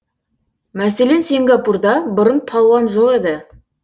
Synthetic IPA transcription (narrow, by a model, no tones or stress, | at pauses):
mæse̞le̞nsiŋɡɑpurd̪ɑbʊɾənpʰɑlˠwɑnʒoqe̞d̪ɪ